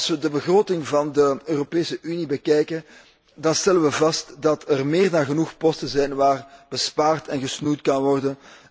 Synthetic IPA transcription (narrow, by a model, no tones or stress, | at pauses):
sʋədəbəɣroːtɪŋvɑndəøːropeːsəʔynibəkɛjkən | dɑnstɛlənʋəvɑstdɑtʰɛrmɪːrdɑnɣənuxpɔstənzɛjnʋaːrb̥əspaːrtʰɛnɣəsnujtkɑnʋɔrdən